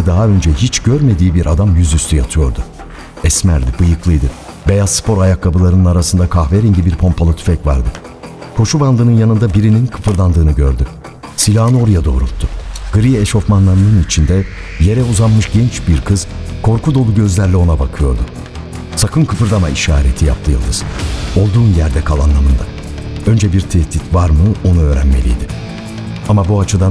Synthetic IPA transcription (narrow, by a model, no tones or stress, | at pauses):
ɛd̪aɦaø̞nd͡ʒɛɦit͡ʃɟ̥øɾme̞d̪iːbiɾʔad̪amjyzyst̪ʰyjat̪ʰɯjo̞ɾd̪ʊ | ɛsmæɾd̪ibɯjɯklˠɯjd̪ɯ | be̞jazspʰo̞ɾajakʰːabɯlˠaɾɯnɯnaɾasɯnd̪akʰaxveɾiɲɟibiɾpʰo̞mpʰalˠɯt̪ʰy̥fɛcva̰ɾd̪ɯ | kʰo̞ʃuband̪ɯːnɯnjanɯnd̪abiɾininkʰɯpɯɾd̪ˠand̪ɯːnɯɟø̰ɾd̪y | silʲaːnɯo̞ɾujad̪o̞̰ːɾulˠt̪ʰːʊɡ̥ɯɾijeʃo̞fmanlˠaɾɯnɯnit͡ʃʰind̪ɛ | je̞ɾɛuzanmɯʃɟɛnt͡ʃbiɾkʰɯz̥kʰo̞ɾkud̪o̞lˠuɟø̞zlʲæɾlʲɛo̞nabakʰɯjo̞̰ɾd̪ʊ | sakɯnkʰɯpɯɾd̪amaiʃa̰ːɾḛt̪ʰija̰p̚t̪ʰɯjɯlˠd̪ɯz̥o̞lˠd̪uːnjæɾd̪ɛkʰalˠa̰nlˠamɯnd̪a | ø̞nd͡ʒɛbiɾt̪ʰɛht̪ʰit̪vaɾmɯo̞nuø̞ːɾæ̰nmelʲḭjd̪ɪ | amabuat͡ʃʰɯd̪an